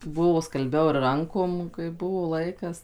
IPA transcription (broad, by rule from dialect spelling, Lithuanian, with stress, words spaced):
ˈbʊʋoː skɐlʲˈbʲɛʊ ɪr ˈrɐŋkoːm kɐɪ ˈbʊʋoː ˈlˠɐɪkɐs